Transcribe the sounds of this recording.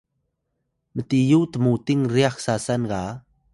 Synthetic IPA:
mət̪ijut̪əmut̪ɪŋriaxsasanɡa

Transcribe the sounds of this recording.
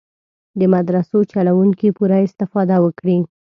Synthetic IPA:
d̪əmad̪ɾasot͡ʃalawuŋkipuɾaɪst̪ɪfɑd̪awəkɽi

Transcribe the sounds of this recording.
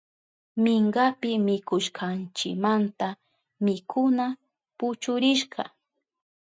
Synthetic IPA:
mɪŋɡapɪmɪkʊʃkʰɑnt͡ʃɪkmant̪a | mɪkʰʊna | pʊt͡ʃʊɾɪʃkɑ̰

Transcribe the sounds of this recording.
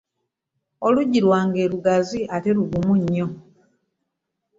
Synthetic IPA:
oluɟiɾwaːŋɡe̞ːɾuɡaziʔate̞ɾuɡumuɲːo

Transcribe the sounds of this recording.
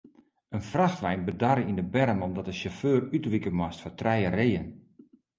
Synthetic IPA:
ənfraxtlɛjnbədaɾəindəbɛɾəmɔmdɔtəʃaføːrytʋikəmwastfɔtrɛjəreːən

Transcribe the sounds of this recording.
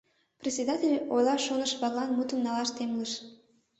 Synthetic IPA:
prʲesʲed̪at̪ʲelʲojlɑʃonəʃβɑɣlɑnmut̪əmnɑlɑʃt̪emləʃ

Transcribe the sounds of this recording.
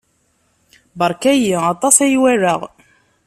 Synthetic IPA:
bɑɾˤkæjiɑt̪ˤɑsæjwæɾəʁ

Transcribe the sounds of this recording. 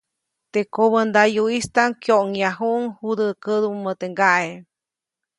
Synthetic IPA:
t̪ekoβənd̪ajuist̪aŋkjoʔŋjaɦuʔŋhud̪əkəd̪umːət̪eŋɡaʔe

